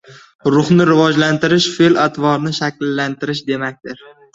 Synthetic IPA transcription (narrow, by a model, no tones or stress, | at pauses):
ɾʊχnɪɾɪvɒd͡ʒlant̪ɪɾɪʃfelat̪ʰvɒɾnɪʃakʲlːant̪ʰɪɾɪʃd̪e̞mak̚ʲt̪ɪɾ